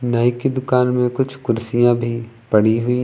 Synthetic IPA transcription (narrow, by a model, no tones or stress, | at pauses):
naːɪkid̪ʊkaːnmẽkʊt͡ʃʰkʊɾsijãbʱi | pɐɽiɦʊi